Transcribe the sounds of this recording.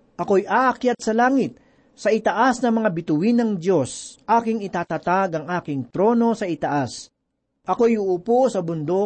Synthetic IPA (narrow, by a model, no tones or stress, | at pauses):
ʔɐko̞jʔaʔɐkjat̪̚sɐlaːŋɪt̪̚ | sɐɪt̪ɐʔasnɐmɐŋabɪt̪ʊwinɐŋd̪jo̞sʔaːkɪŋɪt̪aːt̪at̪aɡɐŋʔaːkɪŋt̪ɾo̞ːno̞sɐɪt̪ɐʔas | ʔɐko̞jʊʔuposɐbʊnd̪o̞